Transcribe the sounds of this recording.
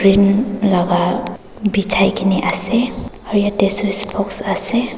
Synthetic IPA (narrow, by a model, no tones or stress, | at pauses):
ɾinlaɡa | bit͡ʃʰajkineʔase | ɔɾjaʈesospʰɔksase